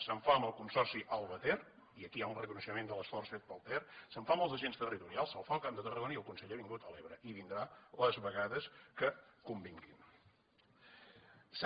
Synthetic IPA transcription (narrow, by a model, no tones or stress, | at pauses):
səɱfaəməlˠkunsɔrsiʔəlˠβət̪er | iəkiaunrəkunəʃəmend̪ələsfɔrsfet̪̚pəlˠt̪ɛrsəɱfaməlˠzəʒenst̪ərit̪uɾialˠsəlˠfalˠkamd̪ət̪ərəɣoniəlˠkunsəʎeβiŋɡut̪əleβɾəʔiβind̪ɾaləzβəɣaðəskəkumbiŋkin | s